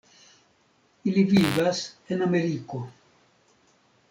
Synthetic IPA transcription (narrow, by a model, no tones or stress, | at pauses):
ilivivasenameɾiko